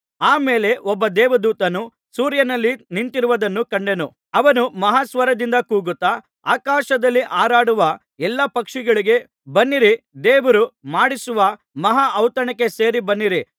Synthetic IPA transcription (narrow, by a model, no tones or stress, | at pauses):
aːme̞ːle̞ʔɔbːɐd̪ɛːʋɐd̪uːt̪ɐnu | suːɾjɐnɐlːiniɳʈiɾuʋɐd̪ɐnːukɐɳɖe̞nu | ɐʋɐnumɐɦaːsʋɐɾɐd̪ind̪ɐkuːɡut̪ːɐ | a̰ːkaːʃɐd̪ɐlːiʔaːɾaːɽuʋɐ | ɛlːɐpɐkʂiɡɐɭiɡe̞ | bɐnːiɾid̪eːʋɐɾumaːɽisuʋɐ | mɐɦaʔːwt̪ɐɳɐkːe̞se̞ːɾibɐnːiɾi